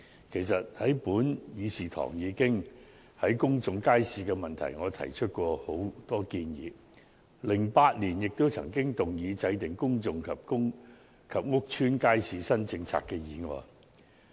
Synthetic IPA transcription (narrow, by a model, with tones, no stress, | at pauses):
kʰe˨˩jsɐ˨t̚hɐ˨˥jpuː˨˥njiː˨˧siː˨t̪ʰɔ̰ː˨˩ŋjiː˨˧kɪ˥ŋ | hɐ˨˥jkʊ˥ŋt͡sʊ˨˧ŋkaː˥jsiː˨˧kɛː˧mɐ˨nt̪ʰɐ̰˨˩jŋɔː˨˧t̪ʰɐ̰˨˩jt͡ʃʰɵ˥t̚kʷɔː˧ho˨˥wt̪ɔː˥kiː˧njḭː˨˧ | lɪ˨˩ŋpaː˧t̚liː˨˩njɪ˨k̚t̪o˥wt͡sʰɐ̰˨˩ŋkɪ˥ŋt̪ʊ˨ŋjiː˨˧t͡sɐ˨˧jt̪ɪ˨˩ŋkʊ˥ŋt͡sʊ˨ŋkʰɐ˨p̚kʊ˥ŋ | kʰɐ˨p̚ŋʊ˥k̚t͡ʃʰyː˥nkaː˥jsiː˧sɐ˥nt͡sɪ˧ŋt͡sʰa̰ː˧kːɛː˧jiː˨˧ŋɔ̰ː˨˧j